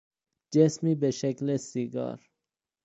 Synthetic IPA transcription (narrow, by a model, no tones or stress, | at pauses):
d͡ʒesmibeʃeklesiɡɑ̰ɾ